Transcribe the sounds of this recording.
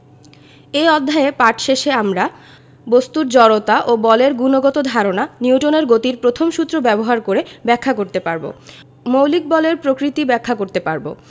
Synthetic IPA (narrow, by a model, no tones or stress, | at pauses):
eɔd̪ʱːaepaʈʃeʃeamɾa | bost̪uɾd͡ʑɔɾot̪aʔobɔleɾɡunoɡɔt̪od̪ʱaɾonaniuʈoneɾɡot̪iɾpɾot̪ʰomʃut̪ːɾobɛboɦaɾkoɾebɛkʰːakoɾt̪epaɾbo̰ | mowlik̚bɔleɾpɾokɾit̪ibɛkʰːakoɾt̪epaɾbo̰